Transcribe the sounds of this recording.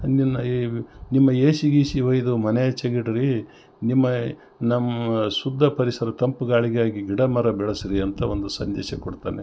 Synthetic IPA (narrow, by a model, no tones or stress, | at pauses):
ninːɐnimːɐeːsiɡiːsiʋɐjid̪umɐnejɐt͡ʃɐɡiʈɐɾi | nimːɐ | nɐmːɐsud̪ʱːɐpɐɾisɐɾɐt̪ɐmpuɡaːɭiɡaːɡiɡiɽɐmɐɾɐbɛɭɐsiɾiɐnt̪ɐo̞nd̪usɐ̰nd̪ɛːʃɐkoɽt̪a̰ːne